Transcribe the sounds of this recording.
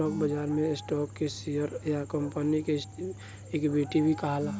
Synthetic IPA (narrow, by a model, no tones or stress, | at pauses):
ɔːk̚bəd͡ʒaːɾmẽɪsʈɔːkkesijəɾjakəmpənike | eːkbeːʈibʱikaɦalaː